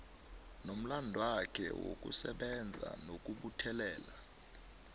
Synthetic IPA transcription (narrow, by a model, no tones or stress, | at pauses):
nom̩landʱwakʰɛ̰wo̰k̬ʼṵsɛɓɛnd͡zʱa̰nok̬ʼuɓutʰɛlɛːla